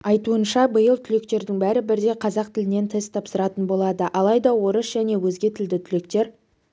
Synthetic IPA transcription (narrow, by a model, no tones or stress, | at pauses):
ɑjt̪uənʃɑbəjəlˠt̪ʰʏle̞k̚t̪e̞ɾd̪ɪŋbæɾɪbɪɾd̪e̞qʰɑzɑq̚t̪ʰɪlɪne̞nt̪ʰest̪ʰɑpsəɾɑt̪ənbo̞lˠɑd̪əʔɑlˠɑjd̪ɑwo̞ɾəsʒ̥æne̞wɵz̪ɡʲe̞t̪ʰɪld̪ɪt̪ʰʏle̞kt̪e̞ɾ